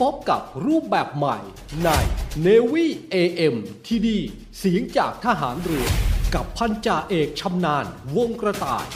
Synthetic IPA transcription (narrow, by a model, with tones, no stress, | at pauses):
pʰo˦˥p̚ka˨˩p̚ɾuː˥˩p̚bɛː˨˩p̚ma˨˩j | na˧˩jneː˧wiː˥˩ʔeː˧ʔe˧mt̪ʰiː˧diː˧ | siː˨˩˦əŋt͡ɕaː˨˩k̚t̪ʰa˧ɦaː˩˦nɾɯ˨˩˦əka˨˩pʰːa˧nt͡ɕaː˨˩ʔeː˨˩k̚t͡ɕʰa˧mnaː˧nwo˧ŋkɾa˧t̪a̰ː˨˩j